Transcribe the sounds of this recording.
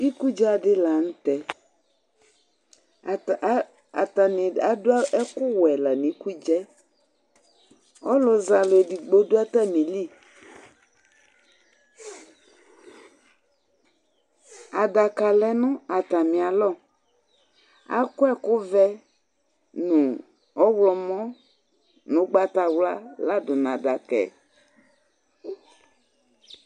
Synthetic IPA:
i˦ku˦d͡ʒɛ˦a˨ɖɪ˦la˨n̩˦t̪ɛ˨˦ | a˨ta˨mɪ˨a˨dʊ˦a˦ɛ˦kʊ˦wɛ˨la˨nĩ˨˦ku˦d͡ʒɛ˦ | ɔ˦lʊ˨za˨le˨di˨ɡ͡bo˦dʊ˦a˦t̪a˦mĩ˨li˦˨ | a˨da˨ka˨lɛ˨nʊ̃˦a˨t̪a˨mĩ˨a˨lɔ˦˨ | a̰˦kʊ˦ɛ˦kʊ˦vɛ˦ | nʊ̃˨ | ɔ˦wlɔ˨mɔ̃˦ | nʊ̃˨˦ɡ͡ba˦ta˨wla˦la˦dʊ˨n˨a˨da˨kɛ̰˨

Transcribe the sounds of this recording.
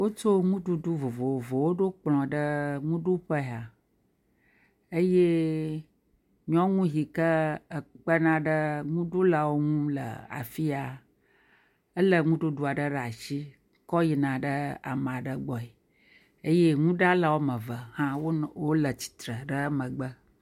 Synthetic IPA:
wo˦t͡ʃo˦ŋũ˦ɖu˦ɖu˦vo˨vo˨wo˨vo˨wo˦ɖo˦k͡plɔ̃˨ɖə˦ŋũ˦ɖu˦ɸə˦˨a˨ | ə˦je˦ | ɲɔ̃˦ŋũ˦ɦi˨kə˦ə˨k͡pə˦nã˦ɖə˦ŋũ˦ɖu˦la˨wo˦ŋũ˦lə̰˨a̰˨fi˦a˨ | ə˦lə˨ŋũ˦ɖu˦ɖu˦a˨ɖə˦ɖə˨a˨ʃi˦ | kɔ˦ji˨nã˨ɖə˦a̰˨m̃˨a˨ɖə˦ɡ͡bɔ˨i˨ | e˦je˦ŋũ˦ɖa˦la˨wo˦mə̃˨və˨hã˦wo˦wo˦lə˨t͡ɕi̥˨t̪ɾə˨ɖə˦mə̃˨ɡ͡bə˦

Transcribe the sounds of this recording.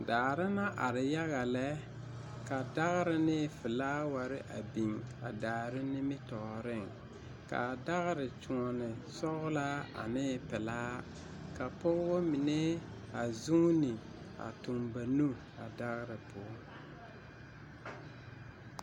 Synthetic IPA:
daː˨ɾɪ˦na˦ʔa˨ɾɪ˨ja˦ɣa˨lɛ˦ | ka˨da˦ɣɾɪ˦nɪː˦fɪ˨laː˦wa˨ɾɪ˦ʔa˨bi˨ŋa˨daː˨ɾɪ˦nɪ˦mɪ˦tɔ˨ɾɪ˦˨ŋ | ka̰˨da˦ɣɾɪ˨t͡ʃu˨ɔ˨nɪ˨sɔ˦ɣla˦a̰˨nɪː˦pɪ˨laː˦ | ka˨pʊ˦ɣwo˦mi˨ne˦ | a˨zu˦ŋ˦nɪ˨ | a̰˨tʊ˨mba˨nu˦ | a˨da˦ɣɾɪ˨pʰʊ˦

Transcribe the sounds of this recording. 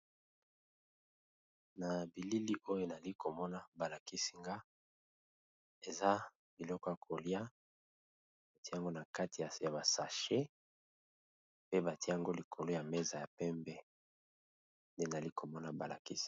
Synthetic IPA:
na˨bi˨li˦li˦ʔo˦jo˦na˨li˦ko˨mɔ˦na˦ba˨la˨ki˦si̥˦ŋɡa˦ | e˨za˦ | bi˨lɔ˦kɔ˦ja˨kʰo˨li˦a˦ | a˨ti˦a˦˨ŋɡo˦na˨ka˦ti˨ja˨ba˨sa˨ʃe˦ | pe˦ba˨tjja˨ŋɡo˦li˨kʰo˨lo˦ja˨me˦za˨ja˨pɛ˦mbɛ˦ | nde˦na˨li˦kʰo˨mɔ˦na˨ba˨la̰˨ki˦si̥˦˨

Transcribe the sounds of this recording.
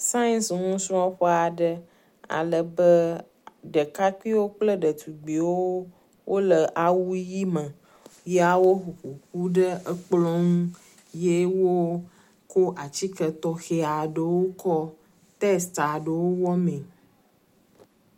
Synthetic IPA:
sa˦i˦nsŋũ˦sũ˦a˦ɸɔ˦a˨ɖə˦ | a̰˨lə˨bə˦ | ɖə˨ka˦ki˦wo˦k͡plə˦ɖə˨t̪ʰu˨ɡ͡bi˨wo˦ | wʔo˦lə˨ʔa˨wu˦ji˦mə̃˨ | ja˨wo˦ɸu˨ɸu˨ɸu˦ɖə˦ə˦k͡plɔ˦ŋũ˦ | je˦wo˦ | ko˦ʔa˨t͡ɕi˦kə˨t̪ɔ˦xe˦a˨ɖə˨wo˦kɔ˦ | t̪ɛ˦st̪a˨ɖə˨wo˦wɔ˦mẽ˨

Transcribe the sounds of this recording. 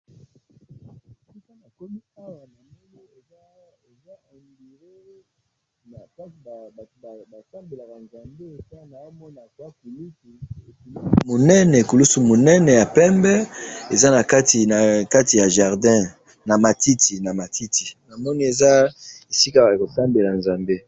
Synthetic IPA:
su˦ka˦na˨ko˦mi˦a˦wa˨na˨m˦niɔ˦e˨za˦e˨za˦a˨ŋɡi˨ʁe˦ | na˨ka˦i˨a˨ba˨ba˨sa˦mbe˨la˨ka˨nza˨mbe˦e˨ta˦na˨˦mɔ˦na˨e˨za˦ku˨lu˦su˨ku˨lu˦mo˨nɛ˦nɛ˨ku˨lu˦su˨mo˨nɛ˦nɛ˨ja˨pɛ˦mbɛ˦e˨za˦na˨ka˦ti˨na˨ka˦ti˨ja˨ʒa˨ʁdɛ̃˦ | na˨ma˨ti˦tʰi˨na˨ma˨ti˦tʰi˨na˨mɔ˦ni˦e˨za˦e˨si˦ka˦ba˨ko˨sa˦mbe˨la˨nza˨mbe˦

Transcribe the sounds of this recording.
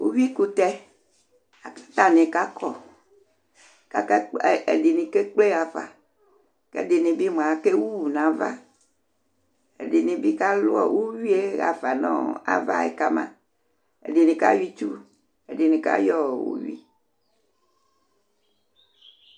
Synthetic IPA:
wu˦wi˦ku˦t̪ɛ˦ | a˨˦t̪a˦nẽ˨ka˦kʰɔ˨ | ka˦kḛ˨di˨nĩ˨ke˦k͡ple˦ɣa˨fa̰˨ | kḛ˦di˨nĩ˨bi˦m˨a˨ke˦wu˦˨nã˨va̰˦ | ḛ˨di˨nĩ˨bi˦ka˦lʊ˦ɔ̰˦˨wu˦wi˦e˦ɣa̰˨fa˨nɔ̰̃˦a̰˦va̰˦ḛ˨ka˦mã̰˦ | ḛ˨di˨nĩ˨ka̰˦wi˦t͡ʃu˦ | e˨di˨nĩ˨ka̰˦jɔ˦˨wṵ˦wḭ˦

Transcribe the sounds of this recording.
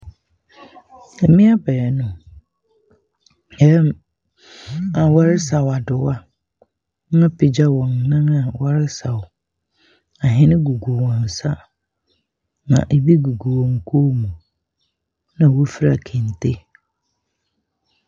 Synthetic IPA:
ɛ˨mɪ̃˦a˦bɛ˨jɛ˨nʊ̃˨ | ɛ˦m | a˨wa˦ɾɪ˦sa˨wa˨dʊ˨wa˦ | ã˦pʰɪ˨d͡ʑa˦wɔ̃˨nnã˦ŋa˨wa˦ɾɪ˦sa˨w | a˨ɦɪ̃˦nɪ̃˦ɡu˨ɡu˨wɔ̃˨n˨sa˦ | nã̰˨ʔe˨bi˦ɡu˨ɡu˨wɔ̃˨ŋ̩˨kʰo˦mũ˨ | nã˨wo˦fi˦ɾa̰˨kʰɪ̃˨n˨tʰe˦

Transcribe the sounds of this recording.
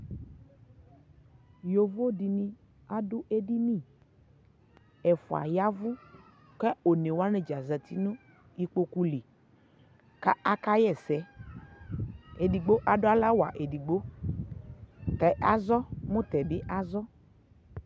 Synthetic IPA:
jo˨vo˦di˨nĩ˦ | a˦dʊ˦ʔe˦di˦nĩ˦˨ | ɛ˨fṵ˨a̰˨ja˦vʊ˦ | kɛ˦o˨ne˨wa˦nẽ˨d͡ʒa˨zɛ˨t̪i˦nũ˦ | i˦k͡po˦ku˦li˨ | ka˦a˦ka˦jɛ˦˨sɛ˨˦ | e˨di˨ɡ͡bo˦ʔa˦dʊ˦a˦la˦wa˨ʔe˨di˨ɡ͡bo˦ | kɛ˨ʔa˨zɔ˦mũ˦t̪ɛ˨bɪ˦ʔa˦zɔ˦

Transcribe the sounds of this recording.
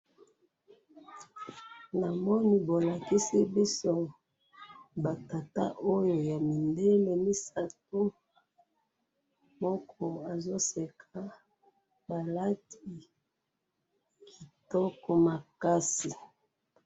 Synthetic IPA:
na˨mɔ˦ni˦bo˨la˨ki˦si˦bi˦so˦ | ba˨ta˨ta̰˦ʔo˦jo˨ja˨mi˨nde˦me˨mi˦sa˨t̚o˦ | mɔ˦kʰɔ˦a˨zo˦se˨kʰa˨ | ba˨la˦ti˨ | ki˨tɔ˦kɔ˨ma˨ka˦si˨

